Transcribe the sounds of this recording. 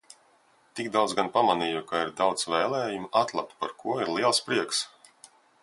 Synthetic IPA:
t̪iɡd̪awd̪zɡanpamaniːjukaiɾd̪awt̪svɛːlˠɛːjumat̪lˠap̚t̪̚paɾkʰuɔiɾlˠiɛlˠspɾiɛks

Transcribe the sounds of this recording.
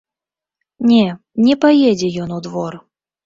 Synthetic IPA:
nʲɛ | nʲɛpajɛd͡zʲɛjɔnud̪vɔr

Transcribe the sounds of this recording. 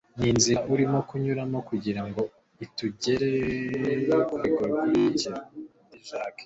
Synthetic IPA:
niːnziʔuɾimo̞kuɲuɾamo̞kuɟiɾaŋɡo̞ | ituɟe̞ɾe | okaiɡwaɡiici | iʒaːkḁ

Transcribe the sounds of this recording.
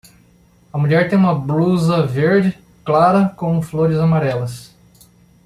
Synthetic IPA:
ɐmuʎɛɾt̪ẽj̃ũmɐbluzɐveɾd͡ʒɪ | klaɾɐkõw̃floɾɪzamaɾɛlɐs

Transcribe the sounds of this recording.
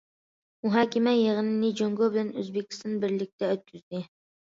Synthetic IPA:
muɦɑːkʲɪmɛjeʁənɪnɪd͡ʒoŋɡobɪlænøzbekʲi̥st̪ʰɑnbɪɾlɪk̚ʲt̪ɛøt̪̚kʲʰyzd̪ɪ

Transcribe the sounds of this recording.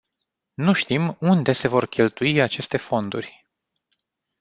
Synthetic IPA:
nuʃt̪imund̪e̞se̞vo̞rkʲʰe̞lt̪uiat͡ʃe̞st̪e̞fo̞nd̪urʲ

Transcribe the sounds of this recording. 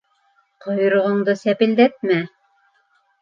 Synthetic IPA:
qŏjŏɾŏʁɤ̆ɴd̪ɤsæpɘ̆ld̪æt̪̚mæ

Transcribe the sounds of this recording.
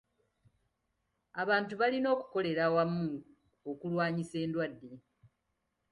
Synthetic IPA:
aβaːntuβalino̞ːku̥ko̞le̞ɾawamːu | okulwaːɲise̞ːndwadːe̞

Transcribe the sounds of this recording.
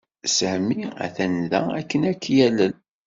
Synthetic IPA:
sæhmːiæ̰θænðæ̰ækːənækːjælə

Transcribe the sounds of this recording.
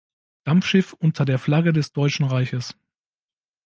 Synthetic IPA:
d̥amfʃɪfʔʊntʰɐdeːɐflaɡədɛsd̥ɔʏt͡ʃn̩ʁaɪçəs

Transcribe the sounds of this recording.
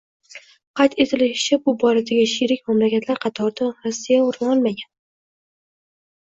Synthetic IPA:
qʰɑjt̪e̞t̪ʰɪlɪʃt͡ʃʰabʊbɒɾad̪aɡʲɪʃiɾɪkʲmamlakʲʰat̪ʰlaɾqʰɑt̪ʰɒɾd̪aɾɒsːijaʊɾɒlˠmaɡʲan

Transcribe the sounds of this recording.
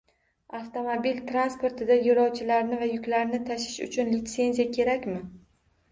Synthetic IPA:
aft̪o̞mobilt̪ʰɾanspo̞ɾt̪ʰɪd̪ajʊɾɒwt͡ʃʰɪlaɾnɪvajʊkʲlaɾnɪt̪ʰaʃɪ̥ʃʊ̰t͡ʃʰʊnlɪt̪se̞nzijakʲʰe̞ɾakʲmɪ

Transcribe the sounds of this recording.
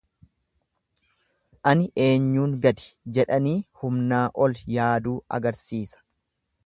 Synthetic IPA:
ʔɐnɪʔe̞ːɲːuːŋɡɐd̪ɪ̥d͡ʒɛᶑɐniːhʊmnaːʔɔljaːd̪uːɐ̰ɡɐɾsiːsɐ̥

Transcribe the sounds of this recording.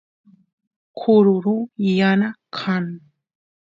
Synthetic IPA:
kʰʊɾʊɾujanakʰaŋ

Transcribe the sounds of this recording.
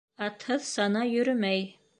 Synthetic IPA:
ɑt̪hɤðsɑnɑjɵ̆ɾɵmæj

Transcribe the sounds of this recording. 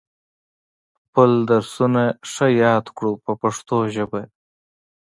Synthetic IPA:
xpəld̪aɾsunaʂajɑːd̪kɽupəpaʂt̪oʒəba

